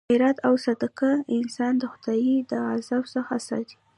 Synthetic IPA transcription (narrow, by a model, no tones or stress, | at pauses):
eɾat̪awsad̪akaɪnsɑnd̪əxʊd̪̥ɑjid̪əazabsəxasɑ̰d̪i̥